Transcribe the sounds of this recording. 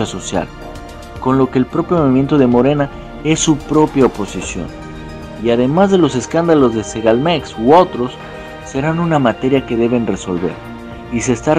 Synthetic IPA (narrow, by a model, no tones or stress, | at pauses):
aso̞sja̰l | ko̞nlo̞ke̞ːlpɾo̞pjo̞moβimje̞nt̪oðe̞mo̞ɾe̞na | e̞sːupɾo̞pjaopo̞sisjo̰n | iaðe̞mazðe̞lo̞se̞skand̪alo̞zðe̞seɣalmeksuo̞t̪ɾo̞sː | e̞ɾanunamat̪e̞ɾjake̞ðe̞βe̞nre̞so̞̰lβe̞̰ɾ | ise̞ːst̪a